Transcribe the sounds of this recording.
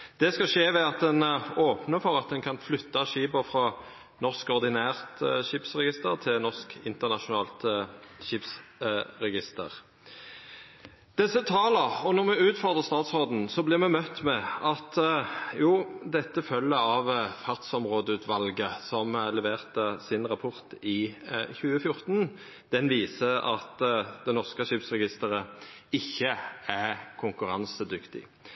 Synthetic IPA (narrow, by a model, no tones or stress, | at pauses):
d̪̥ɛskɑʃeːʋɛɑt̪̚d̪ɛnoːpnəfɔʁɑt̪̚d̪ɛnkʰɑnflʏt̪ːɑʃiːbəfɾɑ | nɔʁskɔʁd̪ɪnæːʁt̪ʃɪpsʁɛɡɪst̪əʁt̪ʰɪlnɔʁskɪnt̪əʁnɑʃʊnɑːlt̪ʃɪpsʁɛɡɪst̪ə̰ʁ | d̪̥ɛsːət̪ʰɑːləʁɔnɔʁmɛʉːt̪fɔʁd̪ʁəʁst̪ɑːt̪sʁɔʁd̪n̩sɔblɪʁmɛmœt̪ːmɛɑt̪juːd̪ɛt̪ːəfœlːəɑʋfɑʁt̪sɔmʁoːd̪əʉːt̪ʰʋɑlɡəsɔmlɛʋeːʁt̪əsɪnʁɑpʰɔʁt̪ɪçʉːəfjʊʁt̪n | d̪̥ɛnʋiːsəɑ̰t̪d̪ɛnɔʁskəʃɪpsʁɛɡɪst̪əʁəɪçːəækʰʊŋkʉʁɑnsəd̪ʏkt̪ɪ̰